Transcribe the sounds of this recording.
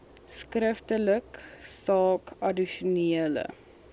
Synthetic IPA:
skrəftələksɑːkɐdiʃuniələ̰

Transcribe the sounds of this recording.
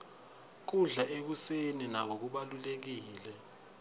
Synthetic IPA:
k̬uɮaʔek̬useninaɓok̬uɓalulek̬iːlɛ

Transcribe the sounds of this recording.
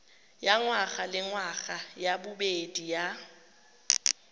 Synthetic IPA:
jaŋwaɣalɪŋwaɣajabʊbedija

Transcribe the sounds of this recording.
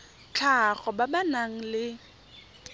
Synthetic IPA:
t͡ɬʰaχɔbabanaŋ̩lɪ

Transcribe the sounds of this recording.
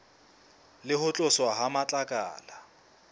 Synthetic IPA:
lɪɦʊt͡ɬʼʊswaɦamat͡ɬʼakʼa̰ːla

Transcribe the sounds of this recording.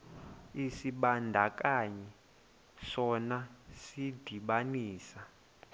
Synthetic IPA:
isiɓandʱak̬ʼaɲɛ | ʂɔnasid̥ʱiɓaniːsa

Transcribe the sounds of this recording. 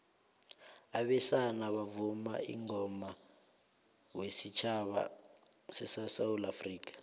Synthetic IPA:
aɓɛsanaɓavuma̰ḭŋɔma | wesit͡ʃʰaɓa̰sɛsasawulafriːkḁ

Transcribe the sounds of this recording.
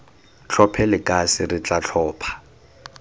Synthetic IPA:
t͡ɬʰɔpʰɛlɪkʼasɪrɪt͡ɬʼat͡ɬʰɔːpʰḁ

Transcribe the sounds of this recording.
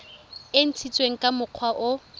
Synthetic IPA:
ɪn̩t͡sʰit͡sʼweŋ̩kʼamʊq͡χʰwaʔʊ

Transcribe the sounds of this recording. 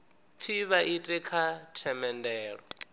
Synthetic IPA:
p̪fʰiβaʔitʼikʰatʰɛmɛndɛːɺɔ

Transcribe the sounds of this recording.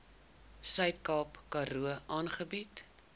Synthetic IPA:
sœɥtkɑːpkɐɾuəʔɑːnχəbit

